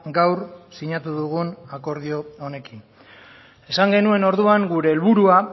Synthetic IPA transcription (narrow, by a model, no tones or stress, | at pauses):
ɡawrsiɲat̪uðuɣ̞unako̞ɾð̞io̞one̞kin | e̞saŋɡe̞nue̞no̞ɾðuaŋɡuɾe̞ːlβuɾua